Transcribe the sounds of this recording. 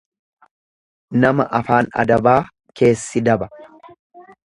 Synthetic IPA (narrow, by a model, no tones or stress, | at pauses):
nɐmɐ̰ʔɐfaːnɐ̰d̪ɐbaː | ke̞ːsːɪd̪ɐbɐ̥